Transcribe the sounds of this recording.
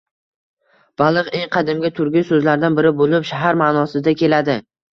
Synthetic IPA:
b̥alˠɨqeŋqʰɑd̪ɪmɡʲat̪ʰʊɾɡʲɪjsɵzlaɾd̪anbɪɾɪbolɪpʃaɦaɾmanɒsɪd̪akʲʰe̞lad̪ɪ

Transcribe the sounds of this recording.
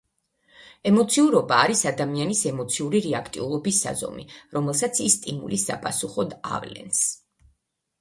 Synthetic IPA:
ɛmɔt̪sʰiuɾɔbaːɾisad̪amianisɛmɔt̪sʰiuɾiɾɛakʰt̪ʼḭulˠɔbisːa̰zɔ̰mḭɾɔmɛlˠsat̪sʰist̪ʼimṵlisa̰pʼasuχɔd̪a̰vlɛ̰ns

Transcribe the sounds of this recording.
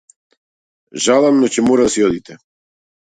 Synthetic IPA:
ʒalˠamnɔcɛmɔɾad̪asiɔd̪it̪ɛ

